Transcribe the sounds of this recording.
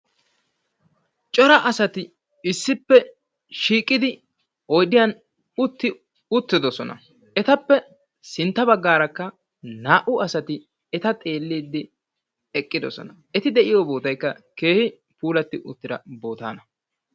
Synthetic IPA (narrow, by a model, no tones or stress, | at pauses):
t͡ʃʼɔɾɐʔɐsɐt̪ɪ | ɪsːɪpːɛ | ʃiːkʼːɪd̪ɪ | ɔjd̪ɪjɐn | ʊt̪ːɪ | ʊt̪ːɪd̪ɔsɔnɐ̰ | ɛt̪ɐpːɛ | sɪnt̪ːɐbɐɡːaːɾɐkːɐ | naːʔʊɐsɐt̪ɪ | ɛt̪ɐt̪ʼe̞ːlːiːd̪ːɪ | ɛkʼːɪd̪ɔsɔ̰nɐʔɛt̪ɪd̪ɛʔɪjobo̞ːt̪ɐjkːɐkeːhɪ | puːlɐt̪ːɪʔʊt̪ːɪd̪ɐ̰bo̞ːt̪a̰ːnɐ